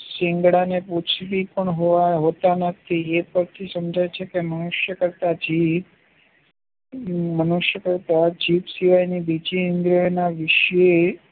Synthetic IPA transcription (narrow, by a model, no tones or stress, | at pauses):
sɪ̃ŋɡɽaneput͡ʃʰʋipəɳɦoʋaɦot̪anət̪ʰiepəɾt̪ʰisəmd͡ʒajt͡ʃʰekemənuʃjəkəɾt̪ad͡ʒi | mənuʃjəkəɾt̪ad͡ʒiʋsiʋajnibid͡ʒiɪnd̪ɾonaʋɪʃe